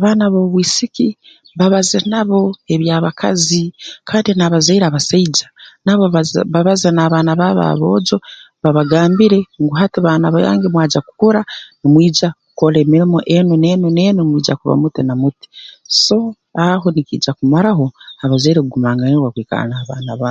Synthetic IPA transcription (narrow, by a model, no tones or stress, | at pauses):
aβaːnaβo̞ːβwiːsiki | βaβazenaβo̞e̞βjaːβakʰa̰zikʰaːndinaβazaiɾaːβasaid͡ʒḁnaβoββaβazenaːβaːnaβaβa̰βo̞̰ːɟo̞ | βaβaɡaːmbiɾe̞ŋɡuɦatiβaːnaβoja̰ːŋɡemwaːd͡ʒaku̥koɾanimwiːd͡ʒaku̥koɾemiɾimoʔenunenune̞nomwiːd͡ʒa̰kuβa̰mutinamuti̥so̞ | aɦo̞nikḭːd͡ʒakumaɾaɦo̞aβazaiɾekuɡumaːŋɡaneβakwiːka̰a̰naaβa̰ːnaβa